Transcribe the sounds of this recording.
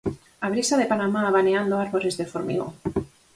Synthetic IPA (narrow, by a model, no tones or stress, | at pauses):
aβ̞ɾisaðepanamaːβaneand̪oaɾβoɾezðefoɾmḭɣo̰